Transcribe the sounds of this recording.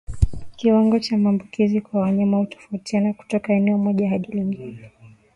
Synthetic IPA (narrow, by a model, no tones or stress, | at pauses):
kiwaŋɡɔt͡ʃamaːmbukizikwawaɲamahutɔ̥fautianaku̥tɔkaɛnɛɔmɔʄaɦaɗiliŋɡinɛ